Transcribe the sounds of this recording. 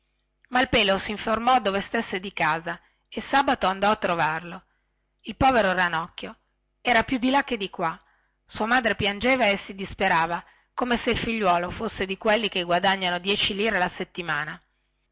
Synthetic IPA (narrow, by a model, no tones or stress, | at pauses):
mailpeːlosiɱformɔd̪ːoːvest̪esːed̪ikaːza | esaːbat̪oand̪ɔat̪ːɾovarlo | ilpɔːveɾoɾanɔkːjo | ɛːɾapjud̪ilak̟ːed̪ikwa | suamaːd̪ɾepjand͡ʒeːvaesid̪ispeɾaːva | koːmeseilfiʎːwɔːlofosːed̪ikwelːikeɡwad̪aɲːanod̪jɛːt͡ʃiliːɾelaset̪ːimaːna